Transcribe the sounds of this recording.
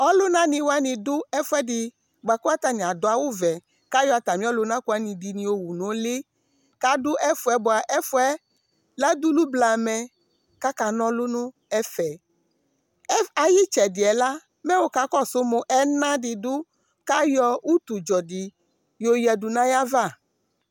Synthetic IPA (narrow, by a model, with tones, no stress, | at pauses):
ɔ˦lʊ˦nã˦nĩ˧wa˦nĩ˧dʊ˦ɛ˦fʊ˦ɛ˦dɪ˨ | ɡ͡ba˨ku˦a˦t̪a˨nĩ˨a˨dʊ˨a˨wʊ˦vɛ˨ | ka˦jɔ˦˨a˨t̪a˨mĩ˦ɔ˦lʊ˨˦nã˦ku˨a˨˦nĩ˨di˨nĩ˨o˨˦wu˨nʊ̃˨˦le˦ | ka˦dʊ˦ʔɛ˦fʊ˨˦ɛ˦bʊ˨a˨ʔɛ˦fʊ˦ɛ˦ | la˦d̪u˦lu˦bla˨mɛ̃˨ | ka˦ka˨nɔ̃˦lʊ˦nʊ̃˦ | ɛ˦fɛ˨˦ | a˨ji˦t͡ʃɛ˨dɪ˨ɛ˨la˦ | mɛ̃˦wo˦ka˦kɔ˦sʊ˦mo˨ʔɛ˦nã˦dɪ˨dʊ˦ | ka˦jɔ˦wu˦t̪u˨d͡ʒɔ˨dɪ˨ | jo˦jɛ˨du˨nã˦ja˦va˦˨